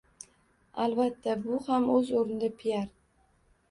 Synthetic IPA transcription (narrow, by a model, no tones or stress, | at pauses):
alˠbat̪ʰːabʊhamɵzoɾnɪd̪apʰijaɾ